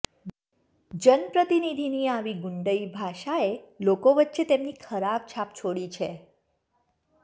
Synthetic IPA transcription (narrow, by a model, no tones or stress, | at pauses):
d͡ʒənpɾət̪inid̪ʱiniaʋiɡʊɳɖəibʱaʃaelokoʋətːʃet̪emnikʰəɾab̚t͡ʃʰapt͡ʃʰoɽit͡ʃʰe